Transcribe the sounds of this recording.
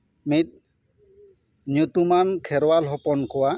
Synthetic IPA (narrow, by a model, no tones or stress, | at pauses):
mit̪̚ | njut̪umankʰɛɾɔwalɦɔpɔnkʰɔwa